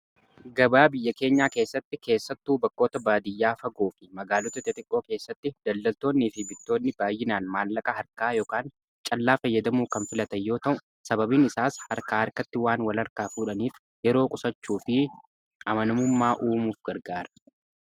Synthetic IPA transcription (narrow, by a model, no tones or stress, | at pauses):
ɡɐbaːbɪjːɐke̞ːɲːaːke̞ːsːɐt̪ːɪke̞ːsːɐt̪ːuːbɐkːo̞ːt̪ɐbaːd̪ɪjːaːfɐɡoːfɪmɐɡaːlɔt̪ɐt̪ɪt̪ʼɪkʼːo̞ːke̞ːsːɐt̪ːɪd̪̥ɐlːɐlt̪o̞ːnːiːfɪbɪt̪ːo̞ːnːɪbaːjːɪnaːnmaːlːɐkʼɐɦɐɾkaːjo̞ːkaːn | t͡ʃʼɐlːaːfɐjːɐd̪ɐmuːkɐnfɪlɐt̪ɐjːo̞ːt̪ɐʔʊ | sɐbɐbiːnɪsaːshɐɾkaːhɐɾkɐt̪ːɪwaːnwɐlɐɾkaːfuːᶑɐniːf | jɛɾo̞ːkʼʊsɐt͡ʃːuːfɪ | ʔɐmɐnɐmʊmːaːʔuːmuːfɡɐɾɡaːɾɐ̥